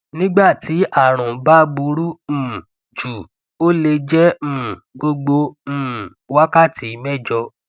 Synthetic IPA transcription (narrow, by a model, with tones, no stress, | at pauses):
nĩ˦ɡ͡ba˦˨ti˨˦ʔa˦˨ɾ̃ũ˨ba˦ɡ͡bu˧˦ɾũ˦˨ | d͡ʒu˨ | o˦le˧d͡ʒɛ̃˦˨ɡo˧ɡ͡bõ˧˦˨ | wa˦ka˦˨ti˨˦mɛ˦˨d͡ʒɔ˧